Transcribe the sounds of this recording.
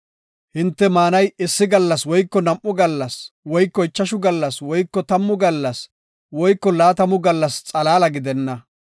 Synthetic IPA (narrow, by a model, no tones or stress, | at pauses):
hɪnt̪ːɛmaːnɐjɪsːɪɡɐlːɐswɔjkːɔnɐmʔːʊɡɐlːɐswɔjkːɔɪt͡ʃːɐʃʊɡɐlːɐswɔjkːɔt̪ɐmːʊɡɐlːɐs | wɔjkːɔlaːt̪ɐmʊɡɐlːɐst͡sʼɐlaːlɐɡɪd̪ɛnːɐ